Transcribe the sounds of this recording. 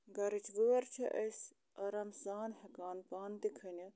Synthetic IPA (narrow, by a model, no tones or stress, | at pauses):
ɡɐɾɨt͡ʃʰʋuʋɐɾt͡ʃʰɐ̰ʔɐsʲ | ɐɾɐmsaːnɦɐkaːnpaːnt̪ikʰɐnʲi